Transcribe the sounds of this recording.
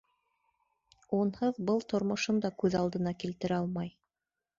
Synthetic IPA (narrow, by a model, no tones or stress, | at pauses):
unhɤðbɤlˠt̪ŏɾmŏʃɤnd̪ɑkʉðɑlˠd̪ɤ̆nɑkilt̪ɘ̆ɾɘɑlˠmɑj